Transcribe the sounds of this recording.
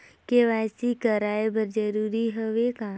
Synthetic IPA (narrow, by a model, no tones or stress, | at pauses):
keʋaːsikəɾaːebəɾd͡ʒəɾuːɾiɦoʋeka